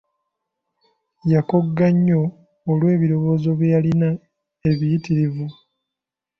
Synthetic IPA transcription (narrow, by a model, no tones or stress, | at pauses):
jako̞ɡːaɲːo̞ː | lwe̞ːβiɾo̞βo̞ːzoβjjalina | e̞βijitiɾivu